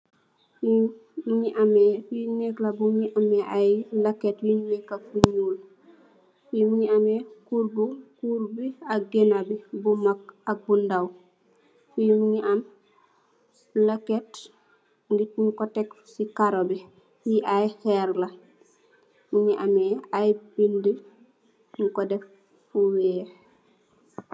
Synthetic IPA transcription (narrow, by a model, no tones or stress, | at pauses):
imuɲiʔamɛfinɛklabuɲiʔamɛʔajlaketwiɲuɲɛkafuɲul | fimuɲiamɛkuɾbukuɾbiak̚ɡenabibumak̚ak̚bundaw | fimiɲiʔam | laket | ɡitnkɔtɛk | sikaɾobi | wiʔajhɛɾla | miɲiʔamɛajbindi | mukɔdɛfː | uwɛ